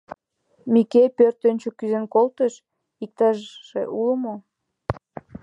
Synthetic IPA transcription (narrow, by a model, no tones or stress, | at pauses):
mikejpørt̪ønʲt͡ɕokyzenkolt̪əʃ | ik̚t̪ɑʒːḛʔuləmo